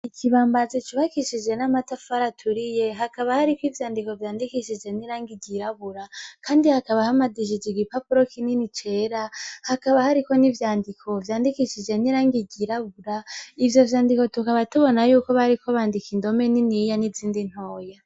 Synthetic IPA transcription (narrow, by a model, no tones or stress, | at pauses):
icʰiβaːmbazit͡ʃiβakiʃid͡ʒe̞namatafaɾatʰuɾije̞ɦakaβahaɾikwivjaːndiko̞vjaːndikiʃid͡ʒe̞niɾaːŋɡiɟiɾaβuɾakʰaːndihakaβahamadiʃid͡ʒiɡipapuɾokininit͡ʃe̞ɾahakaβahaɾiko̞nivjaːndikʰo̞vjaːndikiʃid͡ʒe̞niɾaːŋɡiɟiɾaβuɾaivjo̞vjaːndiko̞tukaβatuβo̞najuːko̞βaɾikoβaːndikindo̞meninijaniziːndin̥ho̞ːja